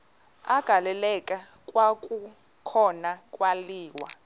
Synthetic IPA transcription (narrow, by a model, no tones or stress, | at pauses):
aɡ̥ʱalɛlɛkʼa | kʼwakʼu | kʰɔnakʼwaliːwa̰